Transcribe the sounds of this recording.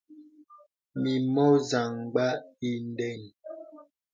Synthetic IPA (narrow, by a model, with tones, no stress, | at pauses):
mi˨mɔ˦za˨ŋɡ͡ba˦i˦n˦dɛ˦˨n